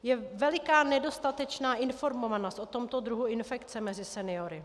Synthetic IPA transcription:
jɛvɛlɪkaːnɛdo̞st̪at̪ɛt͡ʃnaːʔɪnfo̞ɾmo̞vanost̪ʔo̞t̪o̞mt̪o̞d̪ɾuɦuɪnfɛkt͡sɛmɛzɪsɛnɪo̞ɾɪ

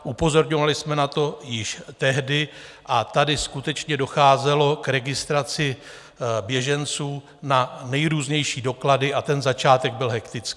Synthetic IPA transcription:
ʔupo̞zo̞ɾɲovalɪsmɛnat̪o̞jɪʃt̪ɛɦdɪʔat̪adɪskut̪ɛt͡ʃɲɛdo̞xaːzɛlo̞kɾɛɡɪst̪ɾat͡sɪ | bjɛʒɛnt͡suː | nanɛjɾuːzɲɛjʃiːdo̞kladɪʔat̪ɛnzat͡ʃaːt̪ɛɡ̚bɪlɦɛkt̪ɪt͡skii̥ː

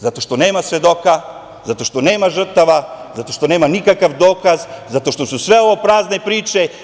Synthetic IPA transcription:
zat̪oʃt̪onɛmasvɛd̪oka | zat̪oʃt̪onɛmaʒr̩t̪aʋazat̪oʃt̪onɛmanikakafd̪okazzat̪oʃt̪osusvɛovopɾaznɛpɾit͡ʃɛ

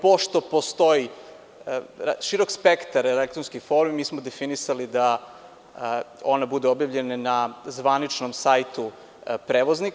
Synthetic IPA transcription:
po̞ʃt̪o̞po̞st̪o̞ji | ʃiɾokspekt̪aɾelek̚t̪ɾonskifo̞ːɾmimiːsmod̪e̞finisalid̪a | o̞nabud̪eobjavʎe̞nanazʋanit͡ʃnomsajt̪u | pɾeːʋozni

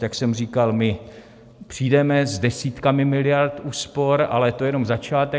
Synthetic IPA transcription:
jaksɛmriːkalmɪ | pr̝̥iːdɛmɛzdɛsiːt̪kamɪmɪlɪjaɾt̪ʔuːspo̞ɾa̰lɛt̪o̞jɛno̞mzat͡ʃaːt̪ɛ

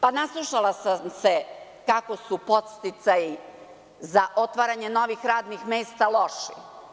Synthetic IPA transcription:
panaslˠuʃalasamse | kako̞supo̞t̪st̪it̪saji | zaʔo̞t̪ʋaːɾaɲe̞no̞ʋixɾaːd̪nixmeːst̪alˠo̞ʃḭ

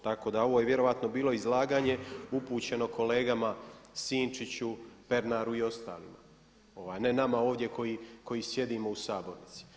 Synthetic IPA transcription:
t̪ako̞ːd̪ao̞ʋo̞ːjeʋje̞ɾo̞ʋat̪no̞biːlˠo̞izlaːɡaːɲe̞upuːt͡ɕe̞no̞kʰo̞le̞ːɡamasiːnt͡ʃit͡ɕupe̞ɾnaɾuio̞st̪a̰ːlḭma̰ | o̞ʋaːjne̞namaoːʋd̪je̞ko̞jiko̞jisje̞d̪imo̞usaːbo̞ɾnit̪si̥

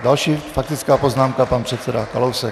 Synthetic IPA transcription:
dalʃiːfak̚t̪ɪt͡skaːpoznaːmkapanpr̥ɛt̪t͡sɛdakalowsɛ

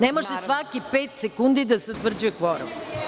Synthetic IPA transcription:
nemaʃesʋakipeːt̪sekund̪id̪aseut̪ʋr̩d͡ʑujekʋoɾo̰m

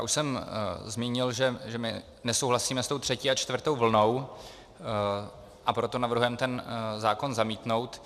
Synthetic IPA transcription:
jaːʔuʃsɛmzmiːɲɪlʒɛʒɛmɪ | nɛsowɦlasiːmɛst̪o̞wt̪r̥ɛciːat͡ʃt̪vrt̪o̞wvl̩no̞w | ʔapɾo̞t̪o̞navɾɦujɛmt̪ɛnzaːko̞nzamiːt̪no̞wt̪

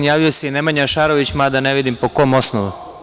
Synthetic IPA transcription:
jaːʋijoseinemaɲaʃaːɾoʋit͡ɕmad̪aneʋid̪impo̞komo̞snoʋu

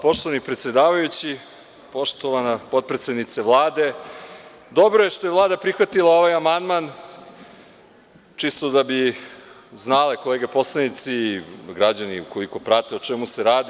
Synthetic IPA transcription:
po̞ʃt̪oʋanipɾet̪sjed̪aːʋajut͡ɕi | po̞ʃt̪oʋanapo̞t̪̚pɾet̪sed̪nit̪seʋlˠaːd̪e̞ | d̪o̞bɾoje̞ʃt̪ojevlˠaːd̪apɾixʋat̪ilao̞ʋajamand̪man | t͡ʃist̪o̞d̪abi | znaleko̞leːɡepo̞slˠanit̪siːɡɾad͡ʑaniuko̞liko̞pɾat̪e̞ot͡ʃemuse̞ɾaːd̪i

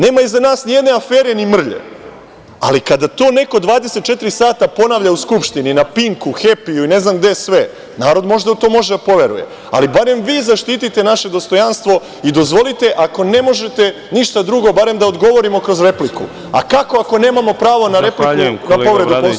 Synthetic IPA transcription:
ne̞ːmaizanaːsnije̞d̪neafeːɾenimr̩ʎḛ | a̰likad̪at̪o̞ːne̞ko̞d̪ʋaːd̪e̞se̞t̪̚t͡ʃe̞t̪iɾisaːt̪apo̞naʋʎauskupʃt̪ininapiŋkuxe̞pijuine̞znamɡd̪esʋe̞ | naːɾo̞d̪mo̞ʒd̪at̪o̞ːmo̞ʒed̪apo̞ʋe̞ɾṵje̞̰ | a̰libaɾe̞mʋiːzaʃt̪iːt̪it̪e̞naʃe̞d̪o̞st̪o̞janst̪ʋo̞ | id̪o̞zʋo̞lit̪e̞ʔako̞ne̞mo̞ʒe̞t̪e̞ | niʃt̪ad̪ɾuɡo̞baɾe̞md̪aod̪ɡo̞ʋo̞ɾimo̞kɾo̞zɾe̞plikṵ | a̰kako̞ako̞ne̞ːmamo̞pɾaːʋo̞naɾeplikunappo̞ʋɾe̞d̪uo

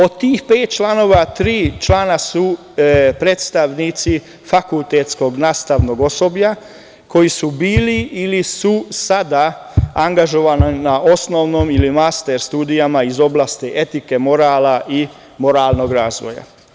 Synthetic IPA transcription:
o̞d̪t̪iːxpeːt̪̚t͡ʃlano̞ːʋat̪ɾiːt͡ʃlaːnasu | pɾet̪st̪aʋnit̪si | fakult̪et̪sko̞ɡnaːst̪aʋno̞ɡo̞so̞bʎa | kʰo̞jisubiːliʔːlisusad̪a | aŋɡaʒo̞ʋananao̞snoʋnoːmilimast̪eɾst̪uːd̪ijamaizo̞blaːst̪iʔe̞t̪ike̞mo̞ɾaːlaʔi | mo̞ɾaːlˠno̞ɡɾaːzʋo̞̰ja̰

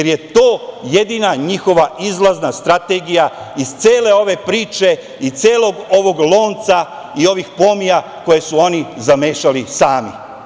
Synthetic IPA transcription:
eɾje̞t̪o̞ːje̞d̪iːnaɲixo̞ʋaizlˠaznast̪ɾat̪eɡija | iz̥t̪seːle̞o̞ʋe̞pɾiːt͡ʃe̞ | it̪seːlo̞ɡo̞ʋo̞ɡlo̞ːnt̪sa | io̞ʋixpo̞mija | ko̞je̞suo̞nizameːʃalisaːmi

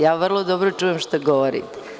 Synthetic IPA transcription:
jaːʋr̩lˠod̪obɾot͡ʂuːjemʃt̪oɡoʋoɾḭt̪e̥

